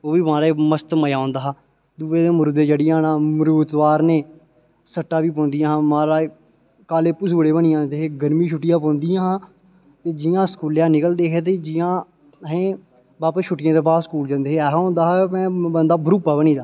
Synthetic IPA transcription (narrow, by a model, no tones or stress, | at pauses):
oːʋiːmãːɾaməst̪məjaːõːnd̪aːɦaː | d̪uːʋeːd̪eːmɾuːd̪eːd͡ʒəɽɪjãːnãːmɾuːt̪ʋaːɾneː | səʈːaːʋiːpɔ̃ːnd̪ɪjãːɦːmãːɾaː | kaːleːpʊsːəɽeːbənijãːnd̪eːɦeːɡəɾmiːʃʊʈːɪjãːpɔ̃ːnd̪ɪjãːɦãː | t̪eːd͡ʒɪjãːskuːljãːnɪkəld̪eːɦeːt̪̬eːd͡ʒɪjãː | ɦẽː | baːpːʃʰʊʈːɪjãːt̪eːbaːskuːld͡ʒãːnd̪eːɦeːɛːɦõːnd̪aːɦamɛ̃ːbənd̪aːbʱɾuːpaːbəñiːd̪aː